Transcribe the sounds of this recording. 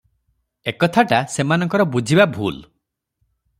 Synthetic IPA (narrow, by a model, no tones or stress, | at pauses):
ekɔt̪ʰaʈasemanɔŋkɔɾɔbud͡ʒʱibabʱṵl